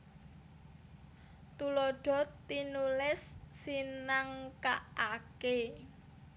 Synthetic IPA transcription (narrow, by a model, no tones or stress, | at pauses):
t̪uloɖ̥ɔ̤t̪inulɪsːinaŋkaake